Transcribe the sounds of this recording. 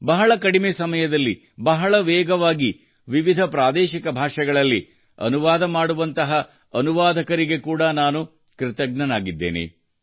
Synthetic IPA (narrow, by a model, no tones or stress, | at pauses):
bɐɦɐɭɐkɐɽimeːsɐmɐjɐd̪ɐlːi | bɐɦɐɭɐʋɛːɡɐʋaːɡi | ʋiʋid̪ʱɐpɾaːd̪ɛːʃikɐbʱaːʂɐɡɐɭɐlːi | ɐ̰nuʋaːd̪ɐmaːɽuʋɐnt̪ɐɦɐ | ɐnuʋaːd̪ʱɐkɐɾiɡe̞kuːɽɐnaːnu | kɾɪt̪ɐɡnɐnaːɡid̪ːḛːnḛ